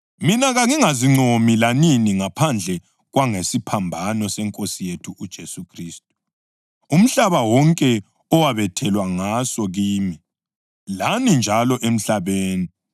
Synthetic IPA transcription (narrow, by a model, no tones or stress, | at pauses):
minaɣaŋiŋaziŋ͡ǀʱomilaniniŋapʰand͡ɮʱɛ | ɣwaŋesipʰambʱanɔsɛŋkʼosijetʰuʔud̥ʒ̥ʱesukʰriːstʼu̥ | um̩ɬaβawɔŋkʼɛ | ɔwaβɛtʰɛlwaŋasɔɣiːmi | lanind͡ʒʱalɔʔem̩ɬaβeːni